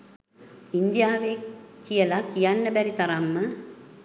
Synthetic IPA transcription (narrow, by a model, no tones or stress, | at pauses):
ind̪jaːʋekijəlakijanːəbæɾit̪aɾamːə